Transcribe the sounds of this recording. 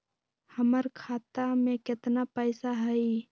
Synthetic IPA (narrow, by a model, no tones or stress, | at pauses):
həməɾkʰaːt̪amẽkɪt̪napəjsaɦəi